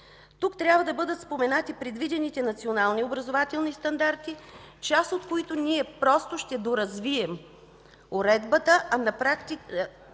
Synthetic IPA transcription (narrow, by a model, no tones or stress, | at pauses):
t̪ukt̪ɾʲjabvəd̪ɐbɤd̪ət̪spomɛnat̪ipɾɛd̪vid̪ɛnit̪ɛnɐt̪sionalˠniobɾɐzovat̪ɛlˠnist̪ɐnd̪aɾt̪it͡ʃast̪ot̪koit̪oniɛpɾɔst̪oʃt̪ɛd̪oɾɐzviɛm | oɾɛd̪bət̪əʔɐnɐpɾakt̪ik